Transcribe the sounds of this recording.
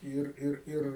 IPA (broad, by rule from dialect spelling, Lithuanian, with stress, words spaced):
ˈiːr ˈɪr ˈɪr